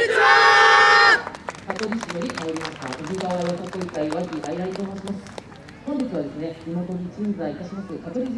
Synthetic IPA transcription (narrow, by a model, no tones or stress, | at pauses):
at̪oɾʲiɕijoɾʲikajoɾʲimaɕt̪aoɡʲɯɡaβaβakokoikaiβakʲiʔaiɾait̪oːmoːɕimasɨ̥ | kõnd̪ikɨβad̪e̞sɨne̞ɾʲimot̪o̞ɲ̟it͡ɕɨ̃nzait̪aɕimasɨkat̪eɾʲɯz